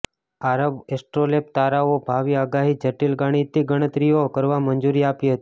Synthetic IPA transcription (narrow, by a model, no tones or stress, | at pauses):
aɾəʋesʈɾolep̚t̪aɾaobʱaʋiaɡaɦid͡ʒəʈilɡaɽ̃it̪iɡəɽ̃ət̪ɾijokəɾʋamənd͡ʒuɾiapiɦət̪i